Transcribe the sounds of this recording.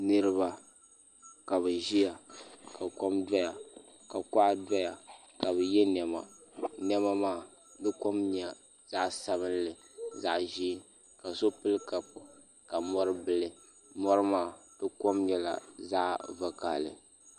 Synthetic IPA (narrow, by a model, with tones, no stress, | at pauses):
nɨ˦ɾɨ˦βa˨ | ka˨βɨ˨ʒi˦ja˨ka˨kɔ˦mda˦ja˨ | ka˨ka˦ʔda˦ja˨ | ka˨βɨ˨jɛ˦n˨ɛ˨ma̰˨nɛ˦ma˦maː˦˨ | bɨ˦ko˦mɲa˨ | z̥a˦ʔsa˦βɨ˦nlɨ˨ | za˦˨ʔʒi˦ | ka˨so˦pɨ˦lɨ˦ka˨pʊ˨ | ka˨mɔ˦ɾɨ˦bɨ˦lɨ˨ | mɔ˦ɾɨ˦maː˦˨bɨ˦kɔ˦mɲɛ˦la̰˨za˦ʔva˦ka̰˨lɨ̰˨